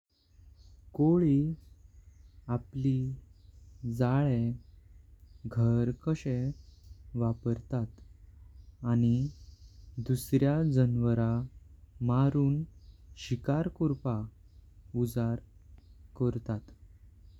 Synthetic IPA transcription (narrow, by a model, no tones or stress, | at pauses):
koɭi | apli | d͡zaɭe | ɡʱəɾkəɕe | ʋapəɾt̪at̪ | añi | d̪usɾjad͡zənʋəɾa | maɾuːnɕikaɾkuɾpa | ud͡zaɾkəɾt̪at̪